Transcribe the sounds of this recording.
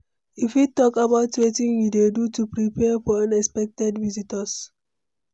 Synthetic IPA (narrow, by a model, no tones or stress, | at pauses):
ifjutɔkabaʊtwetĩŋjudedutupɹipɛfɔãnɛkspɛk̚tɛdvizitəs